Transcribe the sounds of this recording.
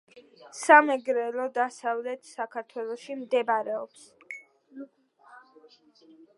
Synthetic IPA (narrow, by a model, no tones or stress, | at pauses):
samɛɡɾɛlɔd̪asavlɛt̪ʰsakʰaɾt̪ʰwɛlˠɔʃimd̪ɛbaɾɛɔps